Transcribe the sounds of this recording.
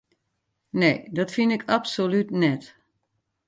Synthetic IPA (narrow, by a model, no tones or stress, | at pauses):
neːdɔtfinɪkʰapsolytnɛt